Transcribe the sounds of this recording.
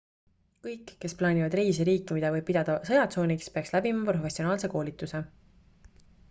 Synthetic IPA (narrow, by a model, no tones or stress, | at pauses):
kɤjkːe̞splɑːnʲivɑd̪riːs̬iɾiːkːimid̪̥ɑvɤjb̚pid̪̥ɑd̪̥ɑsɤjɑt̪so̞ːnikspeɑkslæbimɑpɾo̞fe̞sionɑːlse̞ko̞ːlʲit̪ːˑuse̞